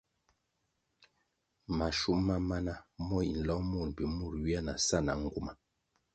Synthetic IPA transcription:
ma˨ʃu˦ʔma˦ma˦na˦mɔ˦˨ḭ˨n̩˨lɔ˦mu˦˨n˨pi˨mu˦˨ɾɥi˦a˦na˨sa˦˨na̰˨ŋ̩˦ɡu˦ma˨

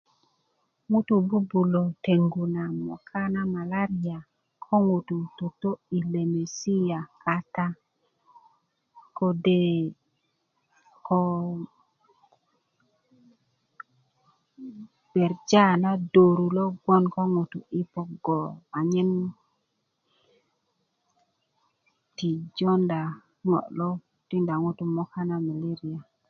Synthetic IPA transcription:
ŋu˦tu˨bu˦bu˨lo˨te˨ŋɡu˨na˨mɔ̰˨kʰa˦na˦ma˨la˦ɾi˨a˨ | kʰɔ˦ŋu˨tu˨to˨to˦i˨le˨me˨si˦ja˨ka˦ta˦ | ko˨de˦ | kɔ˦ | b̥e˨ɾd͡ʒa˦na˦do˨ɾu˨lo˦ɡ͡bo˦nko˦ŋu˨tu˨i˦po˦ɡo˨a˨ɲi˦n | ti˨d͡ʒo˦nda˨ | ŋo̰˨lo˦ | ti˦nda˨ŋu˦tu˨mo˦ka˦na˦mi˨li˦ɾi˨a˨

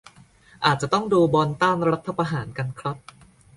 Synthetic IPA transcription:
ʔaː˨˩t̪̚t͡ɕa˨˩t̪ɔ˥˩ŋduː˧bɔː˧nt̪aː˥˩nɾa˦˥t̪ʰːa˧pa˧ɦaː˩˦nka˧nkʰɾa˦˥t̪̚

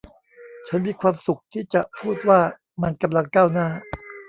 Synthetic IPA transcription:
t͡ɕʰa˦˥nmiː˧kʰwaː˧msu˨˩k̚t̪ʰiː˥˩t͡ɕa˨˩ʔpʰuː˥˩t̪̚waː˥˩ | ma˧nka˧mla˧ŋkaː˥˩wnaː˥˩

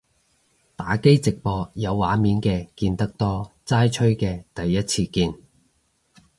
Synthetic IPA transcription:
t̪aː˨˥ke˥jt͡sɪ˨k̚pɔː˧jɐ˨˧wːaː˨˥miː˨˥nkɛː˧kiː˧nt̪ɐ˥k̚t̪ɔː˥t͡saː˥jt͡ʃʰɵ˥ɥkɛː˧t̪ɐ˨jːɐ˥t̚t͡sʰiː˧kiː˧n

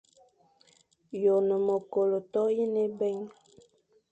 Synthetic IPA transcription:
jo˨nə˨mo˨ko˨lo˨tɔ˦i˦ne˦bɛ˦ŋ

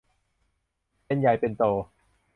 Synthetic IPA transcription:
pe˧nja˨˩jpe˧nt̪oː˧˩

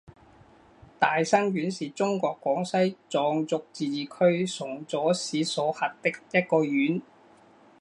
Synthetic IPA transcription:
t̪aː˨jsɐ˥ŋɥyː˨˥nsiː˨t͡sʊ˥ŋkɔː˧kːwɔː˨˥ŋsɐ˥jt͡sɔː˨˧ŋt͡sʊ˧k̚t͡siː˨˧jiː˨˩kʰɵ˥ɥsʊ˨˩ŋt͡sɔː˨˥siː˨˥sɔː˨˥hɐ˨˩t̚t̪ɪ˥k̚jɐ˥t̚kɔː˧jyː˨˥n

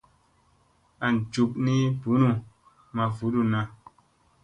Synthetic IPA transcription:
a˨n˨d͡ʒu˨kni˦bu˨˦nu˦ | ma˨vu˨˦du˦nã˧˦

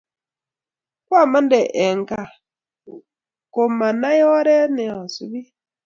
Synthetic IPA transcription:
kwa˦˨ma˦n˦dɛ˨ʔe˨ŋ˨ka˨ | ko˨ma˨na˦jɔ˦ɾɛ˦nɛ˨a˨su˨bi˦

